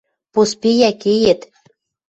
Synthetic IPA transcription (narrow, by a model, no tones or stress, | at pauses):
pospejækejĕt̪